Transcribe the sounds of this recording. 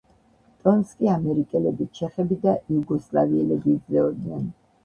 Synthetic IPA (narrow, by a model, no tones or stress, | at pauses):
t̪ʼɔnskʼiamɛɾikʼɛlɛbit͡ʃʰɛχɛbid̪aʔiuɡɔslˠa̰viɛlɛbid̪zlɛɔd̪nɛn